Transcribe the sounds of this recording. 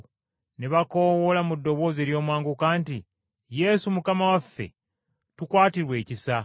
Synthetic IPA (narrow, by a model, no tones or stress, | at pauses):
neβako̞wolamudːo̞βo̞ːze̞ːɾjo̞ːmwaːŋɡukaːnti | je̞sumukamawafːe̞̰ | tukwaːtiɾwe̞ːcisa